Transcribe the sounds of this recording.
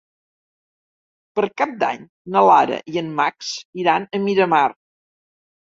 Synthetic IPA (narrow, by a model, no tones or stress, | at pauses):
pəɾkap̚d̪a̰ɲ | nəlaɾə̰ʔiənːaksiɾanəmiɾəmar